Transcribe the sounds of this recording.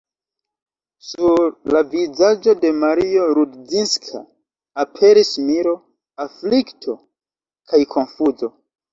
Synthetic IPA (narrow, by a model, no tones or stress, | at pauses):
suɾlavizad͡ʒo̞de̞maɾio̞ɾudzinskʰa̰ː | pʰe̞ɾismiɾo̞ | afliktʰo̞ | kʰajkʰo̞nfuzo̞